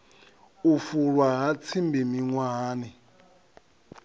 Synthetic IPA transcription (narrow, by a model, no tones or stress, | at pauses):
ufuɺwaɦat͡sʰimbimiŋwaːni